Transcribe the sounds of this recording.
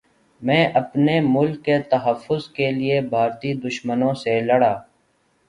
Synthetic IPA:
mɛ̃ːʔəpnemʊlkːet̪ɐɦəfːʊzkeliebʱaːɾt̪iːd̪ʊʃmənõːseləɽaː

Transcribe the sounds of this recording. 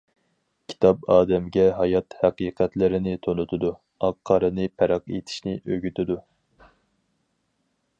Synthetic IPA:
kʲʰi̥t̪ʰɑpɑːd̪ɛmɡʲɛɦɑjɑt̪hæqiːqʰɛt̪lɪɾɪnɪt̪ʰonʊt̪ʰɨd̪u | ɑqʰːɑɾɨnɨpʰɛɾɑqet̪ʰi̥ʃnɪʔøɡʲyt̪ʰɪd̪u

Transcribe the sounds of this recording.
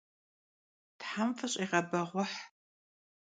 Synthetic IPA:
tħamfɨɕʼiːʁɐbɐʁʷʊħ

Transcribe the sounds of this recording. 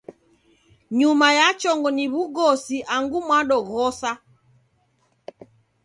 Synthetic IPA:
ɲumajat͡ʃɔŋɡɔniβuɡɔsiʔaŋɡumwaɗɔɣɔsa

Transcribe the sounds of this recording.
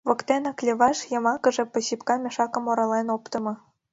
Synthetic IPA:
βɤ̆kt̪enɑklʲeβɑʃjɤ̆mɑkɤ̆ʒĕpɤ̆ɕipkɑmʲeʃɑkɤ̆moɾɑlˠenopt̪ɤ̆mɤ̆

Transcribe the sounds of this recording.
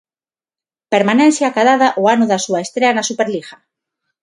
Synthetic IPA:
peɾmanẽn̟θjakaðaðaʔoanuðasuaest̪ɾeanasupeɾlixa

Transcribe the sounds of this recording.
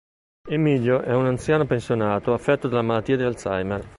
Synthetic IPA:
emiljoʔɛunant̪sjaːnopensjonaːt̪oafːɛt̪ːod̪alːamalat̪ːiːad̪ialsa̰jmer

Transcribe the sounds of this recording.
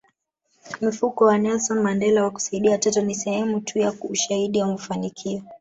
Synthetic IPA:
mifukɔwanɛlsɔnmandɛlawaku̥saiɗiawatɔtɔnisɛhɛmutʰujakːʃahiɗiaum̩fanikʰiɔ

